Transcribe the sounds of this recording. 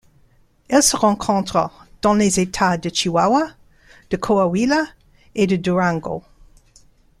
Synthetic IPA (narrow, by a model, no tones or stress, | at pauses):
ɛlsəʁɑ̃kʰɔ̃t̪χəd̪̥ɑ̃lezet̪ʰad̪ət͡ʃiwawa | d̪̥əkʰoawila | ed̪əd̪uɹãŋɡo̰